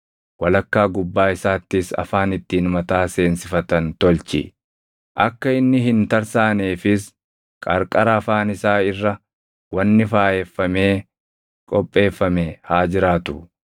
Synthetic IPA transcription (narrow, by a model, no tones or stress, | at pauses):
wɐlɐkːaːɡʊbːaːɪsaːt̪ːɪsɐ̰faːnɪt̪ːiːnmɐt̪aːse̞ːnsɪfɐt̪ɐnt̪ɔlt͡ʃɪ̰ | ʔɐkːɐɪnːɪɦɪnt̪ɐɾsaːneːfɪs | kʼɐɾkʼɐɾɐːfaːnɪsaːɪrːɐ | wɐnːɪfaːjɛfːɐme̞ː | kʼɔpʼːe̞ːfːɐmehaːd͡ʒɪɾaːt̪ʊ